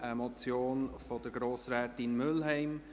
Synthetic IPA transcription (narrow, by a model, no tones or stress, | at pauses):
ʔəmɔt͡sjoːnfɔd̥əɡɾoːsɾɛːtɪnmʏlɦɛɪm